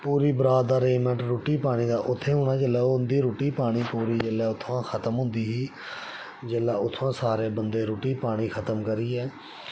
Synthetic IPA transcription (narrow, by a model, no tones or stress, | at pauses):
puːɾiːbəɾaːd̪d̪aːɾeːmɛ̃ɳʈɾoːʈiːpaːɽ̃iːd̪aːʔʊt̪ʰːeːɦʊːɳaːd͡ʒəlɛːoːʊnd̪iːɾoːʈiːpaːɽ̃iːpuːɾiːd͡ʒəlɛːʊt̪ʰːʋãːkʰət̪əmɦʊ̃nd̪iːɦiː | d͡ʒeːlːaːʊt̪ʰːãːsaːɾeːbənd̪eːɾoːʈiːpaːɽ̃iːkʰət̪əmkəɾiːɛː